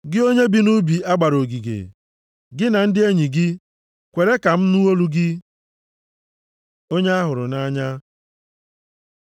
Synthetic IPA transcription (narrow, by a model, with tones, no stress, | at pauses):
ɡɪ˦o˦ɲe˦bi˦nu˦bi˨a˦ɡ͡ba˨ɾo˨ɡi˨ɡḛ˨ | ɡɪ˦na˨n̩˦dɪ˦e˦ɲi˨ɡɪ˦ | kʷe˨ɾe˦ka˨m̩˦nu˦o˦lu˦ɡɪ˦ | o˦ɲe˦a˦ɦʊ˨ɾʊ̰˨na˦ɲa˦